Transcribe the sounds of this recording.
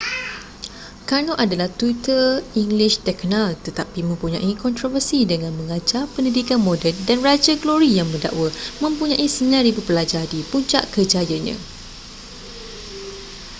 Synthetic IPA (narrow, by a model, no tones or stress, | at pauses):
kanoʔadalaht̪wit̪əiŋliʃt̪ɛknãlt̪ət̪apimə̃mpuɲã̰ʔikɔnt̪ɾovərsidəŋãnmə̃ŋad͡ʒapəndidikanmɔ̃dɛldanrad͡ʒaɡloɾijaŋməda̰ʔwamə̃mpuɲãʔisəɲãɾibupəlad͡ʒardipuɲt͡ʃa̰ʔkəd͡ʒajaɲã̰